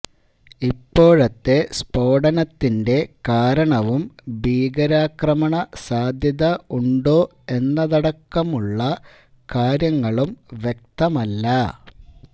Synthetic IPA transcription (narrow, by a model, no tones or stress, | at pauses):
ipːo̞ːɻɐt̪ːe̞spo̞ːɽɐnɐt̪ːinde̞kaːɾɐɳɐʋumbʱiːɡɐɾaːkrɐmɐɳɐsaːd̪ʱjɐðɐuɳɖoː | e̞nːɐðɐɽɐkːɐmuɭːɐ | kaːɾjɐŋːɐɭumʋje̞k̚t̪ɐmɐlːɐ